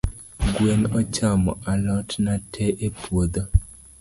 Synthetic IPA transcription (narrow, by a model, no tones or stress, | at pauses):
ɡwenɔt͡ʃamɔʔalɔtnatʰɛʔepwod̪o